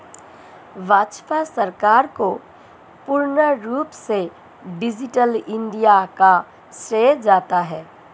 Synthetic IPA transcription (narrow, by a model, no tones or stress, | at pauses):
ʋaːt͡ʃpasəɾkaːɾko | pʊɾnəɾuːpse | ɖɪd͡ʒɪʈəlɪ̃ɳɖijaka | sɾeːd͡ʒaːt̪aɦɛː